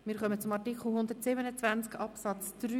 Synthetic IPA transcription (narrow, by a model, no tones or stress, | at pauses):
mɪːɾχœmət͡sʊmɑrtikʰχl̩ˠhʊnd̪əɾtsɪbənət͡svænt͡skʰɑpsɑt͡sd̥ɾy